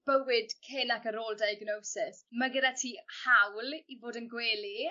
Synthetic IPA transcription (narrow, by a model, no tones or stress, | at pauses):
b̥əwɪd̥kʰɪnakəɾoːlˠdajɡnowsɪsməɡədatʰihawlivoːdənɡweːli